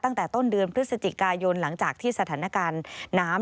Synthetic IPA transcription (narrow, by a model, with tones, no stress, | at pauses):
t̪a˥˩ŋt̪ɛː˨˩t̪o˥˩ndɯ˧ənpʰɾɯ˦˥t̪̚sa˧t͡ɕi˨˩kaː˧jo˧nla˩˦ŋt͡ɕaː˨˩k̚t̪ʰiː˥˩sa˧aː˩˦na˧˩kaː˧nːaː˦˥m